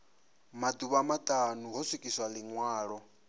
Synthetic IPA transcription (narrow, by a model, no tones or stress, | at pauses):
mad̪uβamat̪ʼanuɦɔswikʼiswaliŋwaːɺɔ